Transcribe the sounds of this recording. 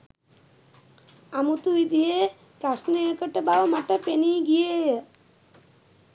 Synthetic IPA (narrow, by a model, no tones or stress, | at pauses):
amut̪uid̪ije | pɾasnəekəʈəbaʋəmaʈəpeniɡijejə